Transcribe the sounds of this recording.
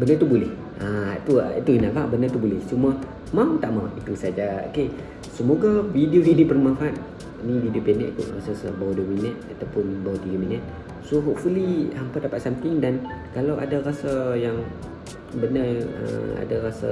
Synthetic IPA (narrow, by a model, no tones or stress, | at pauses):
bənət̪ubulɛh | aat̪uit̪uinaʔbabənət̪ubulɛht͡ʃuma | mamt̪aʔmawʔit̪usad͡ʒao̰ke | səmoɡavidioɦidibərmãnfaat̪̚ | nividiopenɛ̰ʔit̪ṵʔrasasə̰bawaduəminət̪̚at̪awpʊnbawat̪iɡəminət̪̚ | soɦoʔfuliampadapat̪̚samt̪ɪŋdankalawʔa̰darasajaŋ | bənərə̰a̰darasa̰